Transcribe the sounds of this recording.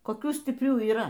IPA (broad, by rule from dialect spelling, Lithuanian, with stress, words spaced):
koːˈkʲuː sʲtʲɪpʲˈrʲuː iːˈrɐ